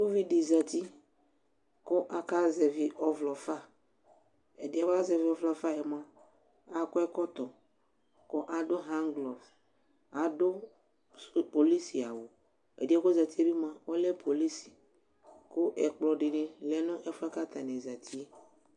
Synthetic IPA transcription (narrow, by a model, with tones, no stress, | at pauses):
ko˦vi˦dɪ˨za˨t̪i˦ | kʊ˦ʔa˨ka˦zɛ˨vi˨ʔɔ˨vlɔ˨fa˦˨ | ɛ̰˨dɪ˨˦a˨ba˦zɛ˨vi˨ɔ˨vlɔ˨fa˦˨jɛ˨m˦ã˦ | a˨kɔ˦ɛ˦kɔ˦t̪ɔ˨ | kʊ˦ʔa˨dʊ˦ɦã˦ŋɡlɔ˨v | a˨dʊ˦ | po˨li˦si˨a˨wo˨ | ḛ˨dɪ˦ɛ˦kʊ˦za˨t̪i˦ɛ˦bi˦mã˨wɔ˦lɛ˦pʰo˨li˦si̥˨ | kʊ˦ʔɛ˨k͡plɔ˨ɖɪ˨nɪ̃˨lɛ˨nʊ̃˦ʔɛ˦fʊ˦a˦ka˦t̪a˨nẽ˨za˨t̪ʰi˦